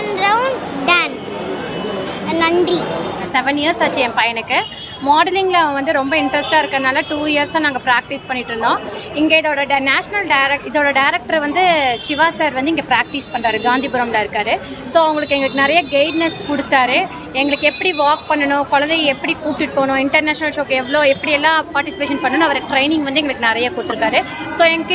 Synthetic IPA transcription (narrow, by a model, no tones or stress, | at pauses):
nɾɐʊnɖaːns | nɐɳɖrisɛʋɛnjiɐɾsaːt͡ʃːɯɛ̃pɐjɐnɯkːɯ | maːɖɐlɪŋɡlɐɐʋɐ̃ʋɐnd̪ɯɾɔmbɐɪɳʈɾɐsʈaːɪɾɯkːɐðɯnaːlɐʈuːjɪɐɾsãːnaːŋɡɐpɾaːk̚ʈispɐɳːɪʈːɾɯnɖõːɪŋɡeɪðoːɽɐɐnaːʂɐnɐlɖɐɪɾɐɪðoːɽɐɖɐɪɾɛk̚ʈɐɾʋɐnd̪ɯʂɪʋaːsaːɾʋɐnd̪ɯɪŋɡepɾaːk̚ʈispɐɳraːɾɯɡãːnd̪iːbʊɾɐmlaːɪɾɯkːaːɾɯsoːɐʋɐŋɡɐɭɯkːɯɛŋɡɐɭɯkːɯnɪɾɐjɐɡeɪɖnɐskɔɽɯt̪ːaːɾɯ | ɛŋɡɐɭɯkːɯɛpːɐɽiʋaːk̚pɐɳːɐɳʊ̃kɔɭɐnd̪ɐɪɛpːɐɽikuːʈːɪʈɯpoːɳʊ̃ːɪɳʈɐɾnaːʂnɐlʂoːkɛʋːɐɭoːɛpːɐɽiɛlːãːpaːɾʈɪsɪpeːʃɐnpɐɳːɐñɐʋɐɾʈɾɐɪnɪ̃ŋɡʋɐnd̪ɯɛŋɡɐɭɯkːɯnɪɾɐjakʊɽɯt̪ːɯɾɯkːaːɾɯ | soːɛŋɡɐkːɯ